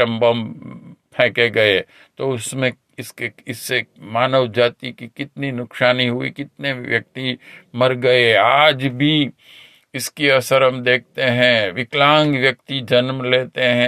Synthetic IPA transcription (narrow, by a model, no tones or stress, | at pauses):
ɐ̃mbəmpʰɛ̃ːkeɡɐe | t̪oʊsmẽ | ɪskeɪsːemaːnəʋd͡ʒaːt̪ikikɪt̪ninʊkʃaːniɦʊḭkɪt̪neʋjɐk̚t̪imɐɾɡɐeaːd͡ʒbʱi | ɪskiɐsəɾɐmd̪eːk̚ʰt̪eɦɛ̃ʋɪklãːŋɡʋjɐk̚t̪id͡ʒɐnmleːt̪eɦɛ̃